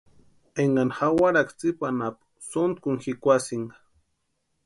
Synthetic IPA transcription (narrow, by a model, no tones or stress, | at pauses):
eŋɡanxawaɾakt͡sipanap | sont̪̚kʊŋxikʷasiŋɡḁ